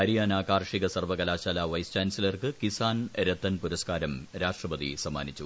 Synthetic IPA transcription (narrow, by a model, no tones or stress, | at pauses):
ɐɾijaːnaːkaːrʂiɣɐsɐrʋɐkɐlaːɕaːlaːʋɐjst͡ɕaːnsilɐrkɨkisaːnɾɐt̪ːɐnpuɾɐskaːɾɐmɾaːʂʈrɐpɐd̪ḭsɐmːaːnit͡ɕːu